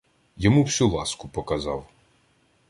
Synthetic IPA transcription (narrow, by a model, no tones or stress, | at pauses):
jɔmuwsʲulˠɑskʊpɔkɐzɑ̰w